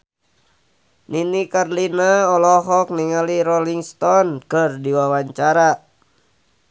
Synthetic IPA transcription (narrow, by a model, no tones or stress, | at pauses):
ninikarlinaɔlɔɦɔk̚niŋaliɾɔliŋst̪ɔnkɨrdiwawaɲt͡ʃaɾa